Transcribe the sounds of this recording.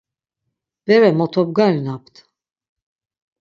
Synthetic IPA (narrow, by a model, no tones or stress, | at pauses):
b̥ɛvɛmɔt̪ʰɔb̚ɡaɾnapt̪ʰ